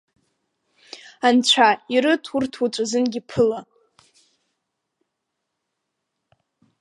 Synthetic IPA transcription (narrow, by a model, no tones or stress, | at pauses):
ant͡ɕʷʰaiɾɨtʰurtʰut͡ʃʷʼazɨnɡʲipʰɨla